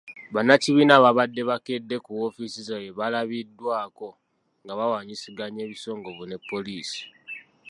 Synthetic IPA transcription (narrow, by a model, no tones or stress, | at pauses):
βanaciβiːnaβaβadːe̞βake̞dːe̞kuwofisizojeβalaβidːwaːko̞ | ŋɡaβawaːɲisiɡaɲe̞ːβiso̞ːŋɡo̞βune̞pːo̞liːsi̥